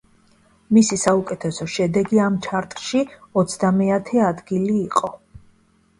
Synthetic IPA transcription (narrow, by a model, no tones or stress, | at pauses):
misisaukʼɛt̪ʰɛsɔʃɛd̪ɛɡiamt͡ʃʰaɾt̪ʼʃiɔt̪sʰd̪amɛat̪ʰɛad̪ɡiliːqʼɔ